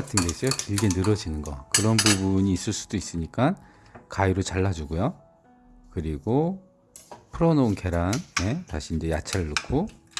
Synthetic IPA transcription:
tʰɯnɡesʰeokiɭɡe̞nɯɾʌd͡ʑinɯnɡʌ̰kɯɾʌnbubuɲiːs͈ɯɭs͈u̥dois͈ɯɲik͈an | kaiɾot͡ɕaɭːad͡ʑuɡujo | kɯɾiɡo | pʰɯɾʌnounke̞ɾanne̞taɕʰiːnd͡ʑe̞jat͡ɕʰaɾɯɭːokʰo

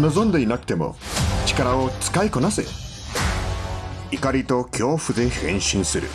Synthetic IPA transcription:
no̞zõ̞nd̪e̞inakɯ̟̥t̪e̞mo̞̰ | t͡ɕi̥kaɾao̞t͡sɨ̥kaiko̞nasɨjo | ikaɾʲit̪o̞kʲʰo̞ːɸɯ̟d̪e̞hẽ̞̰ɰ̃ɕĩɰ̃sɨɾɯ̰

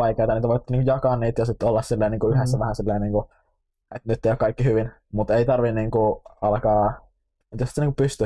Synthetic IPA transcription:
ɑikˑeːt̪ɑniːt̪æʋoˑit̪ːniːkujɑkɑnːiːt̪jɑsit̪ːolːɑssilːɑiniːŋkuyhesːæʋæhænsilːɑiniːŋku | et̪nyt̪ːeijokɑikːihyʋin | mut̪eit̪ɑrʋinniːŋkuɑlkɑː | et̪josi̥t̪ːniŋkupyst̪y

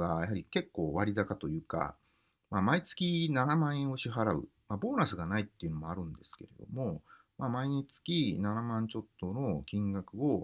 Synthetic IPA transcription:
ɡajaɦaɾʲike̞kːo̞ːβaɾʲid̪akat̪o̞jɯ̟ːka̰ | mamait͡sɨ̥kʲinanamãɰ̃ẽoɕiɦaɾaɯ̰ | mabo̞ːnasɨɡanait̪ːe̞iɯ̟no̞mo̞aɾɯ̟̃nd̪e̞sɨ̥ke̞̰ɾe̞̰d̪o̞̰mo̞ | mamaiɲ̟it͡sɨ̥kʲinanamãɲ̟t͡ɕo̞t̪ːono̞kʲĩŋɡakɯ̟o̞

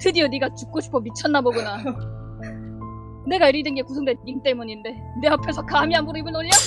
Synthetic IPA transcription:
tʰɯdiʌdiɡat͡ɕup̚k͈oɕʰi̥pʰʌmit͡ɕʰʌnːaboɡuna | ne̞ɡaiɾidɯnɡe̞kusʰoŋdeint͈e̞muɲinde̞ | ne̞apʰjesʰʌkamiɦambuɾoibɯnoʎːʌ

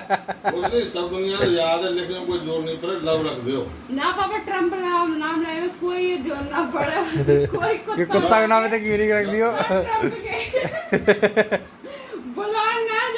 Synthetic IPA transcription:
ʊt̪nẽsəbd̪ʊnɪjãːt̪ojaːd̪ɛlekʰõkoːid͡ʒoːɾnĩːpəɾeləbɾəkd̪ejoː | napaːpaʈɾə̃mpɾamnaːmlajokoːid͡ʒoːɾnapəɽokoːikʊtkekʊt̪ːakonaːmet̪ekinikɾəkʰd̪ɪjoːke | bʊlaːna

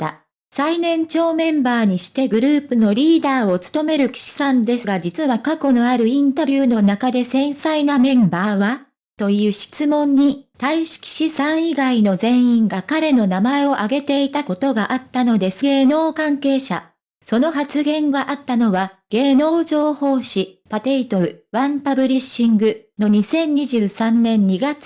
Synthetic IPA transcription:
t̪a̰ | sainẽ̞ɲt͡ɕo̞ːmẽ̞mbaːɲ̟iɕi̥t̪e̞ɡɯ̟ɾɯ̟ːpɯ̟no̞ɾʲiːd̪aːo̞t͡sɨ̥t̪o̞me̞ɾɯ̟kʲi̥ɕi̥sãnd̪e̞sɨɡad͡ʑit͡sɨβakako̞no̞aɾɯ̟ĩnt̪abʲjɯːno̞nakad̪e̞sẽ̞ɰ̃sainamẽ̞mbaːβa | t̪o̞jɯ̟ːɕi̥t͡sɨmõ̞ɲ̟ːit̪aiɕi̥kʲi̥ɕisãɰ̃iɡaino̞zẽ̞ɰ̃ĩŋɡakaɾe̞no̞namae̞o̞ʔaɡe̞t̪e̞it̪ako̞t̪o̞ɡaʔat̪ːano̞d̪e̞sɨ̥ɡe̞ːno̞ːkãŋke̞ːɕa̰ | so̞no̞ɦat͡sɨɡẽ̞ŋɡaʔat̪ːano̞βaɡ̥e̞ːno̞ːʑo̞ːho̞ːɕipat̪e̞it̪o̞ɾɯ̟βãmpabɯ̟ɾʲiɕĩŋɡɯ̟no̞ɲ̟isẽ̞ɲ̟ːiʑɨːsãnnẽ̞ɲ̟ɲiɡat͡sɨ̥

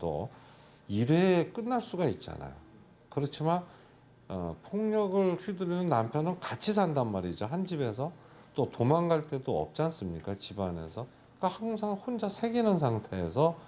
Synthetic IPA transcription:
t͈o̰ | iɾek͈ɯnːaɭs͈uɡait̚t͡ɕ͈a̰na̰jo̰ | kɯɾʌt͡ɕʰiman | ʌ̰pʰoŋɲʌɡɯɭɸʰɥidɯɾinɯnːampʰjʌnɯnkat͡ɕʰis̬ʰandanmaɾid͡ʑoɦand͡ʑibe̞s̬ʰʌ | t͈otomaŋɡaɭt͈e̞doʌ̰p̚t͡ɕ͈ans͈ɯmɲik͈at͡ɕibane̞̰sʰʌ | k͈ahaŋŋsʰaŋhond͡ʑasʰe̞ɡinɯnsʰaŋtʰe̞ːsʰʌ

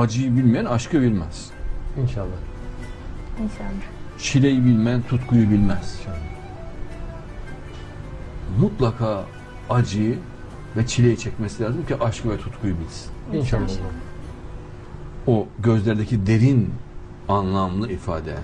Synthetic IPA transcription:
ad͡ʒɯjɯbilʲmijænaʃkʰɯbilʲmæz̥ | inʃalˠːa | inaat͡ʃʰilʲejibilʲmænt̪ʰut̪kʰujubilʲmæz̥ | mut̪lˠakʰaː | ad͡ʒɯj | vɛt͡ʃʰilʲejit͡ʃʰɛcmesilʲaːzɯmciʔaʃkɯvɛt̪ʰut̪kʰujubilʲsi̥ninʃa | oɟø̞zlʲɛɾd̪ecid̪e̞ɾin | anlˠamlˠɯifa̰ːd̪ɛ̰

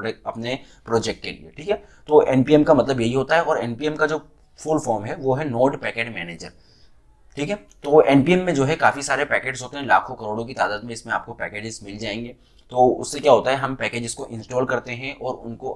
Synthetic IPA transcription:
ɐpne | pɾɔːd͡ʒɛk̚ʈ̚kḛlḭḛʈʰiːkɦɛ | t̪oːʔɛːnpiːɛmkamɐt̪ləbjɐɦiɦoːt̪aɦɛɔːɾɛːnpiɛmkad͡ʒoː | fʊlfɔːɾmɦɛʋoːɦɛnoːʈpɛːkeːɖmɛːneːd͡ʒə̰ɾ | ʈʰiːkɦɛt̪oːoʔɛːnpiɛmːẽd͡ʒoːɦɛkaːfisaːɾepɛːkeːɖzɦoːt̪eɦɛ̃la̰ːkʰõkɐɾoːɽõk̬it̪aːd̪aːd̪mẽɪsmẽa̰ːp̚kopɛːkeːd͡ʒɪzmɪld͡ʒaːẽːŋɡeː | t̪oːʊ̰sːekjaːɦoːt̪aɦɛɦɐmpɛːkeːd͡ʒɪskoʔɪ̃nsʈɔːlkɐɾt̪eɦɛ̃ʔɔːɾʊ̰nko

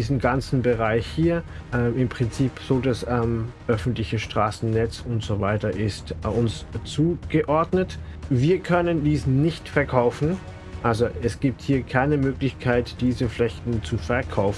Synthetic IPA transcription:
iːzm̩ɡant͡sn̩bəʁaɪçhiːɐʔɛːmɪmpʁ̥ɪnt͡siːpz̥oːdasɛmʔœfn̩tlɪçəʃtʁ̥aːsn̩nɛt͡sʊntz̥ovaɪtɐʔɪstʔʊnst͡suːɡ̥əʔɔɐdnətviːɐkʰœnəndiːsnɪçtfɛɐkʰaʊfn̩ | ʔalzoɛsɡ̥iːp̚thiːɐkʰaɪnəmøːklɪçkʰaɪtd̥iːzəflɛçtn̩t͡sufɛɐkʰaʊfn̩

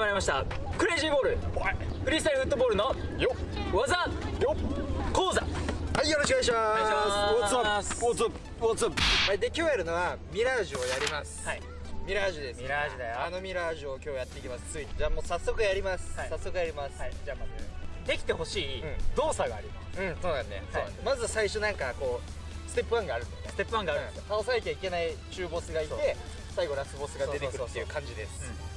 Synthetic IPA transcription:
maɾimaɕi̥t̪a | kɯ̟ɾeːʑĩmboːɾɯ̟ | kɯ̟ɾʲisɨ̥t̪aɾiɸɯ̟t̪ːobo̞ːɾɯ̟nãjoβazajokoːzahaijo̞ɾoɕikɡɯaɕ̬imaot͡saot͡s | ot͡shad̪ekʲo̞ːjaɾɯ̟no̞βamʲiɾaʑɨojaɾʲimasɨ̥ | mʲiɾaʑid̪esaiano̞mʲiɾaːʑiokʲo̞ːjat̪ːe̞ikʲimasɨ̥t͡sɨit̪d͡ʑaːmo̞ːsasːo̞kɯ̟jaɾʲimasɨ̥ːasːo̞kɯjaɾʲimasɨ̥d͡ʑaazd̪e̞kʲi̥t̪e̞ho̞ɕiːɯ̃d̪o̞ːsaɡaːɾʲimaɯ̃so̞ːnãnːesoonmazɨsaiɕo̞nãŋkako̞ː | sɨ̥t̪epːɯβãŋɡaːɾɯ̟nest̪epːɯãŋɡaɾ | t̪aosanakʲaike̞nait͡ɕɨːbo̞sɨɡait̪e̞ | saiɡo̞ɾasɨbo̞sɨɡadoe̞t̪eɯɾɯt̪ːeiɯ̟ːkʰãɲ̟d͡ʑid̪e̞sɨ̥

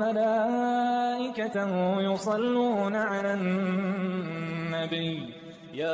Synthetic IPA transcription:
alaː | ʔɪkat̪ahjʊsˤɑlːuːnaʕalan | abij | jaː

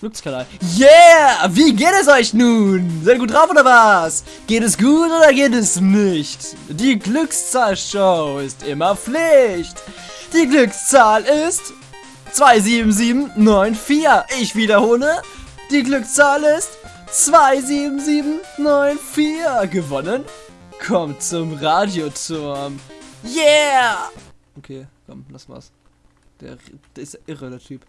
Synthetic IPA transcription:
ɡ̥lʏkskʰalaɪjaviːɡeːtɛsɔʏçnuːnzaɪt̚ɡuːt̚dʁaʊfoːdɐvas | ɡ̥eːtɛsɡ̥uːtʔoːdɐɡeːtɛsnɪçt | d̥iːɡlʏkst͡saːlʃoʊɪstʔɪmɐflɪçt | d̥iːɡlʏkst͡saːlɪst | t͡sv̥aɪziːbm̩ziːbm̩nɔʏnfiːɐʔɪçv̥iːdɐhoːlə | d̥iːɡlʏkst͡saːlɪst | t͡sv̥aɪziːbm̩ziːbm̩nɔʏnfiːɐɡəvɔnən | kʰɔmtt͡sʊmʁaːdjot͡sʊɐmjaː | ʔokʰeːkʰɔmlasv̥a̰s | d̥ḛːɐd̥ɪstaʔɪʁədeɐtʰyːp

